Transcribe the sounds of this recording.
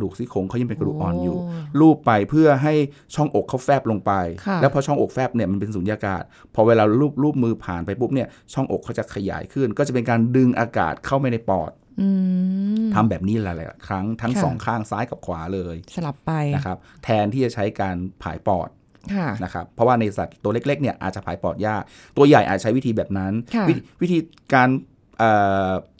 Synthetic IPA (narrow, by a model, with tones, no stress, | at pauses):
duː˨˩k̚si˧˥˩kʰo˧ŋʰ˦˥ja˧pe˧nka˧duː˨˩ʔɔː˨˧njuː˨˩ɾuː˥˩pːa˧jpʰɯ˥˩ɐɦa˥˩j | t͡ɕʰɔ˥˩ŋʔo˨˩kʰːa˥˩wfɛː˥˩p̚lo˧ŋpa˧jkʰɛː˦˥pʰɔ˧t͡ɕʰɔ˥˩ŋʔo˨˩k̚fɛː˥˩p̚ni˥˩ɐma˧np̬e˧nsuː˩˦nji˧a˧ka̰ː˨˩t̪̚ | pʰɔ˧weː˧laː˧ɾuː˥˩p̚ɾuː˥˩p̚mɯː˧pʰaː˨˩npa˧jpʰu˦˥p̚ni˥˩ɐ | t͡ɕʰɔ˥˩ŋʔo̰˨˩kʰːa˦˥wt͡ɕa˨˩kʰa˧ja̰ː˩˦jkʰɯ˥˩nkɔ˥˩a˨˩pe˧nkaː˧ndɯ˧ŋʔaː˧ka̰ː˨˩t̪̚kʰa˥˩wma˥˩jna˧jpɔ̰ː˨˩t̪̚ː | a˧mbɛː˨˩p̚niː˦˥llɛ˨˩jla̰˨˩˨kʰɾa˦˥ŋt̪ʰa˦˥ŋsɔ̰ː˩˦ŋkʰaː˥˩ŋsaː˦˥jka˨˩p̚kʰwaː˩˦lɤː˧jsa˧la˨˩pːa˧jna˦˥kʰa˦˥p̚t̪ʰɛː˧nt̪ʰiː˥˩t͡ɕa˨˩t͡ɕʰa˦˥jkaː˧npʰa̰ː˩˦jpɔ̰ː˨˩t̪̚ | kʰa˥˩na˦˥kʰa˦˥pʰːɔ˦˥waː˥˩na˧jsa˨˩t̪ːu˧ɐle˦˥k̚le˦˥k̚ni˥˩ɐʔa̰ː˨˩t̪̚t͡ɕa˨˩pʰaː˨˩˦jpɔː˨˩t̪̚jaː˥˩k̚ | t̪u˧ɐja˨˩jʔaː˨˩t̪̚t͡ɕʰa˦˥jwiː˥˧bɛː˨˩p̚na˦˥nʰ˧i˦˥wi˦˥t̪ʰiː˧ | kaː˧n | ʔɤː˨˩